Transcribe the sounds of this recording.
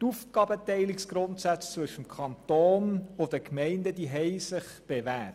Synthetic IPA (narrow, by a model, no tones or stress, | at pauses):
tufɡ̥ɑːbətɛɪliksɡ̥ɾʊntsæt͡st͡svɵʃəmkʰɑntoːnʊd̥əkmɛɪndəd̥iɦɛɪsɪχ | b̥evæːt